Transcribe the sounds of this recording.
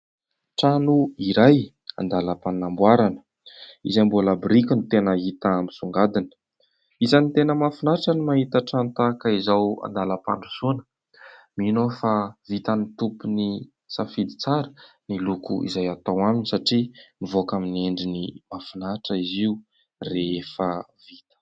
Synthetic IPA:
ʈ͡ʂanuiɾaj | a̰nd̪aləpannambwaɾanə̥ | izambolabɾikinut̪enaɦit̪ambisuŋɡad̪inə̥ | izanit̪enəmafunaʈ͡ʂənimaɦit̪aʈ͡ʂant̪akaizawa̰nd̪alapaɳɖ͡ʐusunə̥ | minofavit̪anit̪upuni | safid̪i̥t͡saɾə̥ | nilukṵḭzajat̪awaminisaʈ͡ʂimivokamineɳɖ͡ʐinimafinaʈ͡ʂəiziu | reefə | v̥it̪ə̥

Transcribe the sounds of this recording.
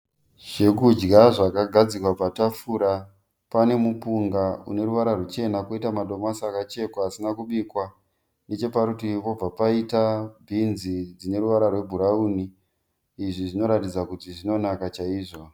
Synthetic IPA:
ʒ̥e̞kud͡ʒɡaʐakaɡʱad͡zikwapatafuːɾa | pane̞mupuŋɡaṵne̞ɾuʋaɾarwet͡ʃe̞nakoitamaɗo̞masakat͡ʃe̞koasinakuɓikwa | ne̞t͡ʃe̞paɾutipo̞b͡vapaitabʱinzid͡zine̞ɾuʋaɾarwe̞bʱuɾauniː | ʐiʐino̞ɾatid͡zakutiʐino̞nakat͡ʃaiːʐo̞

